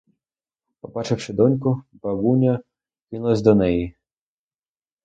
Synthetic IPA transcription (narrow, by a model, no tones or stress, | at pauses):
pɔbɑt͡ʃɪwʃɪd̪ɔnʲkʊbɐɡunʲɐ | kɪnʊlˠɐsʲd̪ɔnɛji